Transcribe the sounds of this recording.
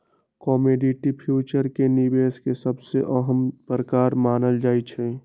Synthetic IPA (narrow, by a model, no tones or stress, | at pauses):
kɔːmeɖiʈipʰjuːt͡ʃəɾkenibeːskesəbseʔəɦəmpɾəkaːɾmaːnəld͡ʒaːit͡ʃʰɛ̃